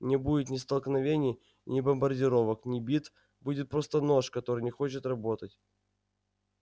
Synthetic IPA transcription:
nʲɪbudʲɪt̪nʲɪst̪əlˠknɐvʲenʲɪj | nʲɪbəmbərdʲɪɾo̞vəknʲɪbʲit̪ | budʲɪt̪̚pɾo̞st̪əno̞ʂkɐt̪o̞ɾɨjnʲɪxo̞t͡ɕɪt̪rɐbo̞t̪ətʲ

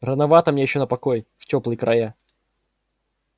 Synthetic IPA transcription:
rənɐvat̪əmnʲejɪɕːonəpɐkojftʲoplˠɨjkɾʔɐje

